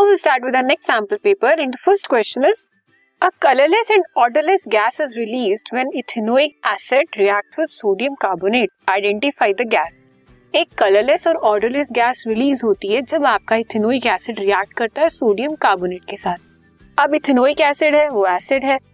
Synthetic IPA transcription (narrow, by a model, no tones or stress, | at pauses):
aɪʋɪlsʈaːɾʈwɪd̪ənɛksæ̃ːmpəlpeːpəɾɛ̃nd̪əfəɾsʈkwɛst͡ʃə̃nɪz | ɐkɐləɾlɛsɛ̃ɳɖɔːɾɖəɾlɛsɡæːsɪzɾɪliːzɖʋɛ̃nɪt̪ʰɪnoːikæːsɛʈɾiæːk̚ʈʋɪd̪soːɖijə̃mkaːbʊneːʈ̚aɪɖɛ̃ɳʈɪfaːɪd̪əɡæːs | eːkːɐləɾlɛsɔːɾɔːɾɖəɾlɛsɡæːsɾɪliːzɦoːt̪iɦɛd͡ʒɐbaːp̚kaɪt̪ʰɪnoːikæːsɪɖɾiæːk̚ʈ̚kɐɾt̪aɦɛsoːɖijə̃mkaːbʊneːʈ̚kesaːt̪̚ʰ | ɐbɪt̪ʰɪnoːikɛːsɪɖɦɛʋoæːsɪɖɦɛ